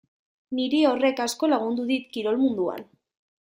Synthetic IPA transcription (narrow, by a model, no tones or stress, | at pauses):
niɾeo̞re̞kasko̞laɣund̪uðit̪kiɾo̞lmund̪ua̰n